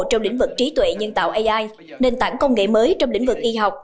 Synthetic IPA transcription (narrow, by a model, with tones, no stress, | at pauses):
t͡ɕɔ˧wŋ͡mlï˧˥ŋ̟vɨ˨˩k̚t͡ɕi˨˦t̪wḛ˧˨ɲə˧nt̪a̰ː˧˨wʔə˧jʔaː˧j | ne˧nt̪aː˧˩ŋkə˧wŋ͡mŋḛ˧˨məː˨˦jt͡ɕɔ˧wŋ͡mlḭ˧˥ŋ̟vɨ˨˩k̚ʔi˧ɦa˨˩wk͡p̚